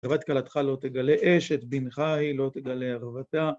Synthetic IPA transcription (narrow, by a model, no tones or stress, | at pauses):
vat̪̚kalat̪χalo̞t̪eɡaleʔeʃet̪binχahilo̞t̪eɡaleaχvat̪a